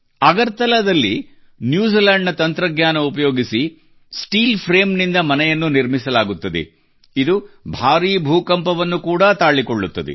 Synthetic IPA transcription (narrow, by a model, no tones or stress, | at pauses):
ɐɡɐɾt̪ɐlɐd̪ɐlːi | njuːd͡ʒilɐɳɖɐt̪ɐnt̪ɾɐɡɲaːnɐupɐjo̞ːɡisi | sʈiːlpʰɾeːmnind̪ɐmɐnɛjɐnːuniɾmisɐlaːɡut̪ːɐd̪ḛ | id̪ubʱaːɾiːbʱuːkɐmpɐʋɐnːukuːɽɐt̪aːɭikoɭːut̪ːɐd̪ɛ̰